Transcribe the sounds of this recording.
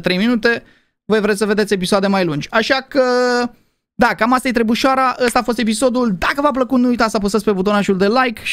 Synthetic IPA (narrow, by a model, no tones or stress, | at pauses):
t̪ɾe̞jminut̪e̞ | vojvɾet̪səve̞d̪et̪sʲep̬isoad̪e̞majlund͡ʒʲaʃakə | d̪akamast̪ajet̪ɾebuʃaɾaʔəst̪aːfo̞s̬t̪e̞p̬iso̞d̪uld̪akəvap̬ləkut̪nuujt̪at̪sapust̪et̪sʲpe̞but̪o̞naʃuld̪e̞lajkʃ